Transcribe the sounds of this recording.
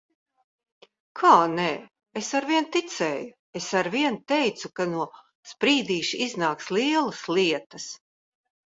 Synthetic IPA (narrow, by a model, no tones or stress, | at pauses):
kʰaːnɛː | esaɾviɛnt̪it̪sɛːju | esaɾviɛnt̪ɛjt̪sukanuɔ | spɾiːd̪iːʃiznaːkslˠiɛlˠɐsliɛt̪ɐs